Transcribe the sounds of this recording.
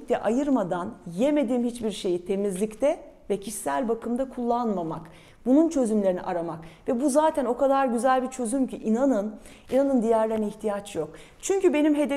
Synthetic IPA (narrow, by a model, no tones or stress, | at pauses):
t̪ʰɛʔajɯɾmad̪anjeme̞d̪iːmhit͡ʃbiɾʃe̞jit̪ʰe̞mizlʲict̪ʰɛ | vɛcʰiʃsælʲbakʰɯmd̪akʰulˠːanmamak | bununt͡ʃʰø̞zymlʲe̞ɾinḭʔaɾamakvɛbuzaːt̪ʰæno̞kad̪aɾɟyzælʲbit͡ʃʰø̞zymcʰiʔinanɯn | inanɯnd̪ijæɾlʲeɾniçt̪ʰijat͡ʃʰjo̞k | t͡ʃʰyɲcybe̞nimɦe̞d̪e